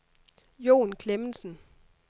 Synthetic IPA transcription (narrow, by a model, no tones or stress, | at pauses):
jo̝̰ːnkʰlemn̩sn̩